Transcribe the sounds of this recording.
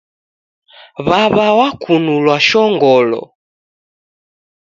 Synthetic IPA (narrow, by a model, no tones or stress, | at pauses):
βaβawakʰunulwaʃɔŋɡɔlɔ̰